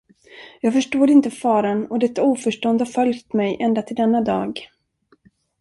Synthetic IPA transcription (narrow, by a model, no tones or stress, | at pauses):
jɑːɡfœʂʈoːd̪ɪnt̪əfɑːɾanɔd̪ɛt̪ːauːfœʂʈɔnd̪əhaɾfœljt̪mɛjʔɛnd̪at̪ʰɪld̪ɛnːad̪ɑ̰ːɡ